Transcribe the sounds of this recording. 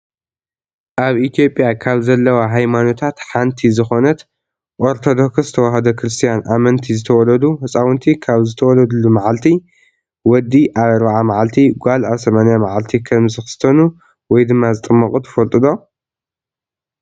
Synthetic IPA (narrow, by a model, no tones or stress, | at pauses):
ʔaβʔit̪ʰijo̞pʼjakʰaβzɐlːɐwaɦajmano̞t̪ʰat̪ħant̪ʰizɨxo̞nɐt̪ | ʔoɾt̪ʰo̞d̪o̞kszɨt̪ʰɐwahɐd̪ɐkɾɨst̪ʰijanʔamɐnt̪ʰizɨt̪ʰɐwɔlɐd̪uhɨsʼawɨnt̪ʰikʰaβzɨt̪ʰɐwɔlɐd̪ulːumaʕalt̪ʰi | wɔd̪ːiʔaβɐɾβaʕamaʕalt̪ʰiɡʷalaβsɐmanijamaʕalt̪ʰikʰɐmzɨxɨ̥st̪ʰɐnu | wɔjd̪ɨmːazɨt̪ʼɨmːɐkʼut̪ʰɐ̥fɐlt̪ʼɨd̪o̞